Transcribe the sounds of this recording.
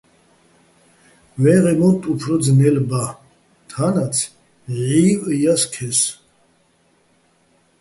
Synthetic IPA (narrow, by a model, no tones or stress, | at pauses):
vɛʁɛmɔnt̪ʼupʰɾɔd̪d͡znɛlba | t̪ʰanat͡sʰ | ʕiːvəjaskʰɛs